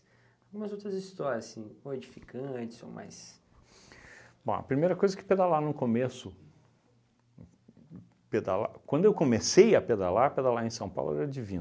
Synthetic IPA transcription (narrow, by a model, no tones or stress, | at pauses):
awɡũmɐzowt̪ɾɐzist̪ɔɾiɐssĩoed͡ʒifikɐ̃t͡ʃɪ̥zo̰wma̰js | b̥õ̰ɐ̰pɾimejɾɐkojzɐkɪ̥ped̪alanʊ̃komesʊ | ped̪a̰la̰kwɐ̃nd̪ʊewkomesejɐped̪alaped̪alaẽsɐ̃w̃pa̰wlʊ̰ɛɾɐd͡ʒivĩn